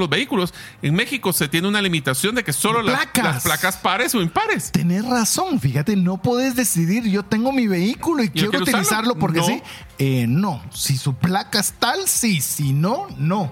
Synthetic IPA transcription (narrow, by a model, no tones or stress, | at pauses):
lozβeikulo̞s | eŋme̞xiko̞se̞t̪jeneunalimit̪asjo̞nd̪e̞ke̞so̞lollakalassplakaspaɾesoimpaɾest̪e̞nesraso̞nfixat̪e̞no̞poðezðe̞siðiɾʝo̞t̪e̞ŋɡo̞miβe̞ikuloikjjeɾout̪ilisaɾlo̞po̞ɾkesi | eno̞sisuplakaest̪alsisinono̞